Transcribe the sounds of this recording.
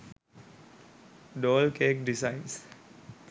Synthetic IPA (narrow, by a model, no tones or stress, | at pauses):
ɖoːlkeːkɖisaɪns